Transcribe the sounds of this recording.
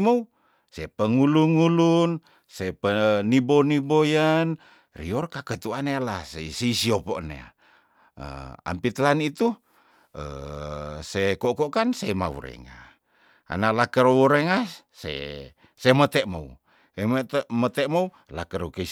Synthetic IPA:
mou | sepəŋuluŋulun | sepənibonibojan | rḭɔrkakət̪uanealasesiisiopoʔnḛa̰ | ə̰a̰mpit̪lanit̪u | ə̰ | sekokoʔkansema̰wṵɾḛŋa̰ | a̰nalakəɾowuɾeŋa | sḛ | semət̪eʔmo̰u | emt̪mət̪emou | lakəɾokəi

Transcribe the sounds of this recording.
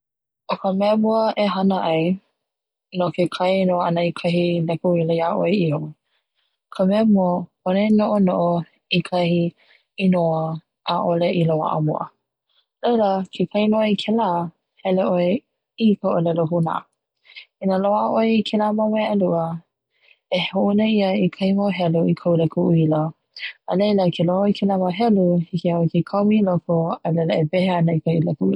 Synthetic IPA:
ʔokəmɛmuəʔeɦɐnəʔɐj | nokekʰajnoanəikʰɐɦilɛkuilejaʔoeio | kʰəmɛəmuə | onenoʔonoʔo | ikʰɐhi | inoə | ʔaʔoleʔilowa̰ʔə̰mo̰ʔə̰ | leləkʰekʰainoəikʰɛla | hɛleʔoe | ikəolɛloɦuna̰ | inəloaʔəʔoeikʰelaməweʔaluə | ehhoʔunəiəikʰajmoɦɛluikʰawlekʰuʔuiləː | lejləkʰelohoikʰelaːməɦɛluhikeoekekʰawmilokoəlɛləebɛheanəikailakui

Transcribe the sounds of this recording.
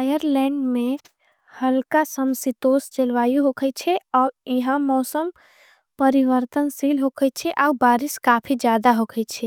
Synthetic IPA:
ajəɾlɛ̃ːɳɖmẽ | həlkasəmsit̪oːst͡ʃelʋaːjuɦokʰət͡ʃʰɛɔːiɦãmɔːsəm | pəɾiʋəɾt̪ənsilɦokʰət͡ʃʰɛʔaːubaːɾiskaːpʰid͡ʒjaːd̪aɦokʰət͡ʃʰɛ

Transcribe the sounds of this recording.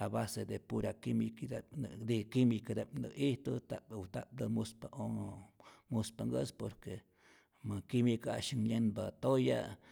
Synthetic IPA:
abased̪epuɾakimikd̪ad̪ikimikad̪epnə̰iht̪ot̪apt̪ap̚d̪əmuspaʔo | muspaŋɡəspoɾke | makimikaʃiŋɲenbat̪oja̰

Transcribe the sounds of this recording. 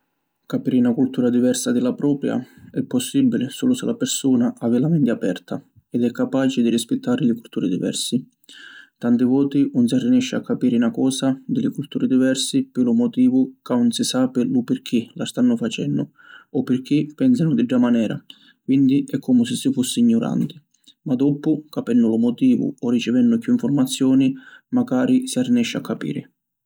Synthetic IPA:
kapiːɾɪnakult̪uːɾad̪ivɛrsad̪ɪlapɾɔːpɾja̰ɛpːɔsːibːilɪsuːlʊsɪlʔapɪrsuːnaʔavɪlamɛnt̪ɪapɛ̰rt̪ʰa | ɛd̪ɛkːapaːt͡ʃɪd̪irispɪt̪ʰːaːɾɪlɪkult̪uːɾɪd̪ḭvɛ̰rsi | t̪ant̪ɪvɔːt̪iuns̬arinɛʃːɪakːapiːɾɪnakɔːsad̪ɪlɪkult̪uːɾɪd̪ivɛrsipɪlʊmɔt̪iːvʊkaunsɪsaːpɪlupɪɾk̟ʰːilast̪anːʊfat͡ʃɛnːʊ | ɔpːɪrk̟ipːɛns̬anʊd̪iɖːamanɛːɾa̰ | kwind̪iʔɛkʰːɔmʊsɪsːifusːɪːɲːʊɾa̰nt̪ɪ̥ | mad̪ɔpʊkapɛnːʊlʊmɔt̪iːvʊ̰ɔrːit͡ʃɪvɛnːʊkːuiɱfʊrmat̪sːjɔːnimaɡaːɾisiarːinɛʃːakʰːapḭːɾɪ̰

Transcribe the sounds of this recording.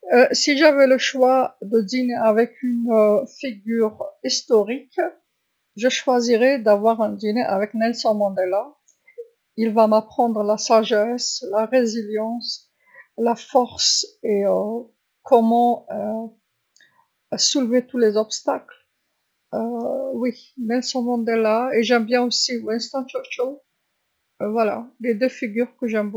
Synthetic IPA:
əsiʒavɛləʃwad̪əd̪ineavɛkynfiɡʲyʁist̪ɔʁik | ʒəʃwaziʁɛd̪avwaʁɛ̃d̪ineʔavɛknɛlsɑ̃mɑ̃d̪ela | ilvamapχɑ̃d̪ʁlasaʒɛslaʁeziljɑ̃s | lafɔʁseø | kʰɔmɑ̃ø | sulvet̪ulezɔpst̪akl | øwinɛlsɑ̃mɑ̃d̪elaeʒɛmbjɛ̃osiwɛ̃nst̪ɑ̃t͡ʃɔʃo | vwala̰led̪øfiɡʲyʁkəʒɛmbo

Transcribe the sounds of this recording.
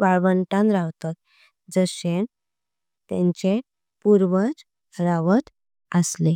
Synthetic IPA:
ʋaɭʋəɳʈãnɾaʋt̪at̪̚ | d͡zəɕen | t̪ɛ̰̃ɲt͡ɕe | puɾʋət͡s | ɾaʋət̪ | əsle

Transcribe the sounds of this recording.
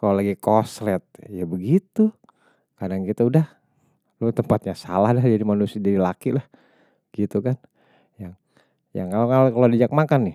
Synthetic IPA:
kalolaɡikoslɛt̪̚jabəɡit̪u | kadaŋkit̪audah | lut̪əmpat̪̚ɲasalahdahd͡ʒadimanusiadadilakilah | ɡ̥it̪ukan | jaŋ | ja̰ŋkalokalkalodid͡ʒak̚makanːɪh

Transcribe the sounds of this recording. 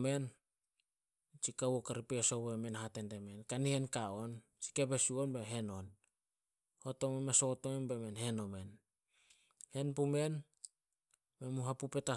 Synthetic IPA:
me̞n | t͡ʃikawokaɾipesoβemenɦatendemenkanihenkaon | si̥kepesuonbeɦe̞non | hotomemesotomenbemenhe̞nome̞n | he̞npume̞n | memuɦapupe̞ta

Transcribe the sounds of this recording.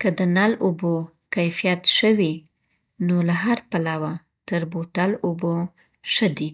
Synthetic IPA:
kəd̪ənalobo | kajfijat̪ʃəwi | nolaɦaɾpalawa | t̪əɾbot̪alobo | ʃəd̪i

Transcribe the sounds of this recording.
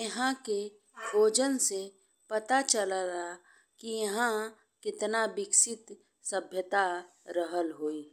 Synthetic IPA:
jɐɦãke | bʱoːd͡ʒənse | pɐt̪at͡ʃəlad̪a | kijɐɦã | kɪt̪nabɪksɪt̪ | səbʱjət̪aɾəɦəlɦoːiː

